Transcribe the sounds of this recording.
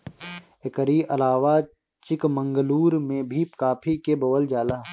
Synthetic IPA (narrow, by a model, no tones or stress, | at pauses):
ekəɾiʔɐlaːʋa | t͡ʃɪkmə̃ŋɡəluːɾmẽbʱipkaːpʰikebɐʋəld͡ʒaːlaː